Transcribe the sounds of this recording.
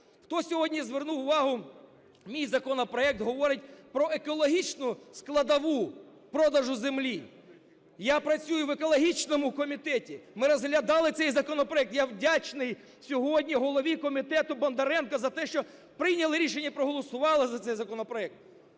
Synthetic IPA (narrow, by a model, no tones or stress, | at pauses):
xt̪ɔsʲɔɦɔdʲnʲizʋernuwʊʋɑɦʊ | mʲijzɐkɔnɔpɾɔɛk̚t̪ɦɔʋɔɾɪt̚ʲpɾɔʔekɔlˠɔɦʲit͡ʃnʊsklˠɐd̪ɐʋu | pɾɔd̪ɐʒʊzemlʲi | japɾɐt͡sʲujʊʋekɔlˠɔɦʲit͡ʃnɔmʊkɔmʲit̪ɛtʲimɪɾɔzɦlʲɐd̪ɑlˠɪt̪sɛjzɐkɔnɔpɾɔɛk̚t̪jawdʲat͡ʃnɪj | sʲɔɦɔdʲnʲiɦɔlˠɔʋʲikɔmʲit̪ɛt̪ʊbɐnd̪ɐɾɛnkɐzɐt̪ɛʃt͡ʃɔ | pɾɪjnʲɐlˠɪɾʲiʃenʲːɐpɾɔɦɔlˠɔsʊʋɑlˠɪzɐt̪sɛjzɐkɔnɔpɾɔɛk̚t̪̚